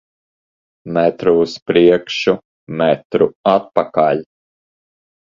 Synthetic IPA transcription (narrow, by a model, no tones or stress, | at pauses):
mɛt̪ɾuːspɾiɛkʃu | mɛt̪ɾuat̪̚pakalʲ